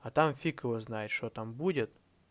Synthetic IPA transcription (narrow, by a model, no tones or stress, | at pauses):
ɐt̪amfʲikəvəznajɪt̪ʂt̪ot̪ambudʲɪt̪